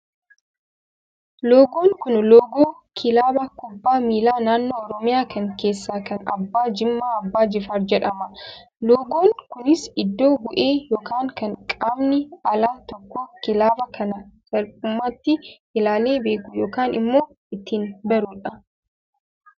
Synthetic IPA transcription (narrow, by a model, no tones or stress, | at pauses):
loːɡoːŋkʊnloːɡoːkʰɪlaːbɐkʊbːaːmiːlaːnaːnːoːɾɔmɪjaːkɐŋke̞ːsːaːkɐnɐ̰bːaːd͡ʒɪmːaːɐbːaːd͡ʒɪfaːɾd͡ʒɛᶑɐmɐ | loːɡoːŋkʊnɪsɪd̪ːoːbʊʔe̞ːjoːkaːŋkɐŋkʼaːmnɪɐlaːt̪ɔkːɔkɪlaːbɐkʰɐnɐsɐlpʼʊmːaːt̪ːɪʔɪlaːleːbe̞ːkʊjoːkaːnɪ̰mːo̞ː | ɪt̪ːiːnbɐɾʊᶑɐ